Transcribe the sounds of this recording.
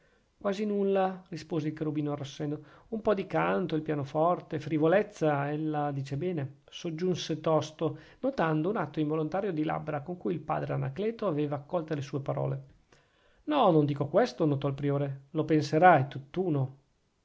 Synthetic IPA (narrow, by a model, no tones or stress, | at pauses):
kwaːzinulːarispoːzeilkaɾubiːnoarːosːɛnd̪oumpɔd̪ikant̪oilpjaːnofɔrt̪efɾivolɛt̪sːaɛlːad̪iːt͡ʃebɛːne | sod͡ʒːunset̪ɔst̪o | not̪and̪ounat̪ːoiɱvolont̪aːɾjod̪ila̰bɾakoŋkujilpa̰ːd̪ɾeana̰klɛːt̪oaveːvaːkːɔlt̪olesuːepaɾɔ̰ːle | nɔnond̪iːkokwest̪onot̪ɔalpɾioːɾelopenseɾajt̪ut̪ːuːno